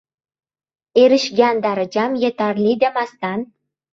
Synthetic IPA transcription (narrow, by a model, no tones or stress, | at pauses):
eɾɘ̆ʃjænd̪ɑɾɤ̆d͡ʑɑmjĕt̪ɑrlʲid̪æmɑst̪ɑn